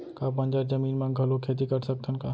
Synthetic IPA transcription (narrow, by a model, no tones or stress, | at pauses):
kabənd͡ʒaɾd͡ʒəmiːnmãɡʱəlokʰet̪̬ikəɾsək̚t̪ʰənka